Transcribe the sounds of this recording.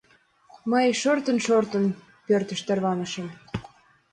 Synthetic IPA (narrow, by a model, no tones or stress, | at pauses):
məjʃort̪ə̆nʃort̪ə̆n | pørt̪ə̆ʃt̪erβɑnə̆ʃə̆m